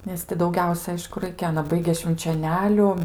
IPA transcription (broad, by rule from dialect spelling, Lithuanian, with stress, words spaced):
nʲɛs ˈtʲɪ dɐʊˈɡʲɛʊsʲɛ ˈɐɪʃkʊ ˈrɐɪkʲɛ ˈɑːnɐ ˈbɐɪɡʲeː ʃʲʋʲɪnʲt͡ʃʲoːˈnʲæːlʲʊ